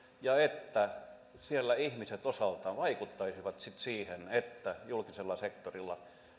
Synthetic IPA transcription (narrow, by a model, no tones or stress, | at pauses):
jɑet̪ːæ | sielːæihmiset̪osɑlt̪ˑɑːnʋɑikut̪ːɑisiʋɑt̪sit̪siːhenet̪ːæjulkiselːɑsekt̪orilːɑ̰